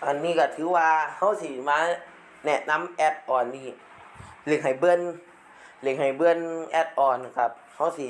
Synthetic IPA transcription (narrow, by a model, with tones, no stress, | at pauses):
ʔa˨nːiː˧˩˨ka˧˩t̪ʰɯː˨˦waː˧ha˧˥˨wsi˧˩maː˧˥ | nɛ˧na˧˥˨mʔɛː˧˩t̪̚ʔɔː˨˩nːiː˧˩ | lɯ˧˩k̚ha˨˩jbɯ˧˨ən | lɯ˧˩k̚ha˨˩jbɯ˧˨ənʔɛː˧˥t̪̚ʔɔː˨˩nːa˨˩kʰa˧˩p̚ha˧˥˩wsi˧˩